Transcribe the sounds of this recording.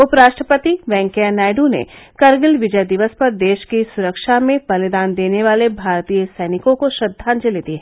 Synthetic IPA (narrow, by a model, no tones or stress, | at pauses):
ʊpɾaːʃʈɾəpət̪iʋɛ̃ːŋkənaːɪɖunḛkɐɾɡɪlʋɪd͡ʒəjd̪ɪʋəspɐɾd̪eːʃkisʊɾəkʃamẽbɐlɪd̪aːnd̪eːneʋaːlebʱaːɾt̪ijəsɛːnɪkõkoʃɾɐd̪ʱːaːnd͡ʒɐleːd̪iɦɛ